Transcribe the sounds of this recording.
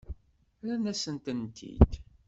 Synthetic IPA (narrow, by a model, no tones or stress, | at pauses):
lænæsənt̪ənt̪ʰḭd̪